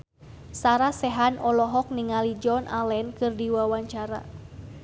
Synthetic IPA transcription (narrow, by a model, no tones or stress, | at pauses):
saɾasɛɦanɔlɔɦɔk̚niŋalid͡ʒɔnʔalɛnkɨrdiwawaɲt͡ʃaɾa̰